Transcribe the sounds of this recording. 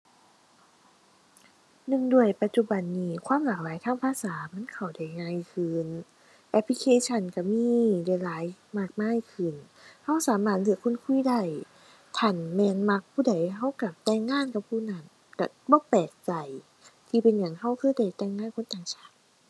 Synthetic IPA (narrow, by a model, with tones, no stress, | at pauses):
nɯ˧˩ŋdu˧˩əjpa˧t̪̚t͡ɕu˧˩ba˨nːiː˧˩kʰwaː˧˥˨mlaː˨˩k̚laː˨˦jt̪ʰaː˧˥˨ŋpʰaː˧˨saː˨˦ma˧˥˨nkʰa˨˩wda˧˩jŋaː˧˥˨jkʰɯː˧n | ʔɛ˧˥pʰli˧kʰeː˧˥˨t͡ɕʰa˧˩nka˧˩miː˧˥˨da˧˩laː˨˦jmaː˧˩k̚maː˧˥˨jkʰɯ˧˩n | ha˧˥˩wsaː˨˦maː˧˩t̪̚lɯ˧˩əkʰo˧˥˨nkʰu˧˥˨jda˧˩˨j | t̪ʰa˧˩nmɛː˧nma˧˥k̚pʰuː˧˩˨da˨˩jɦa˧˩˨wka˧˩t̪ɛː˧˨ŋːaː˧˥˨nka˧˩pʰuː˧˨na˧˩n | ka˧˩bɔː˧˦pɛː˨˩k̚t͡ɕa˨˩j | t̪ʰiː˧pe˨nɲa˨˩ŋɦa˧˥˩wkʰɤː˧˥˨jda˧˩jt̪ɛː˧˩˨ŋːaː˧˥˨nkʰo˧˥˨nt̪aː˨˩ŋt͡ɕʰaː˧˥˩t̪̚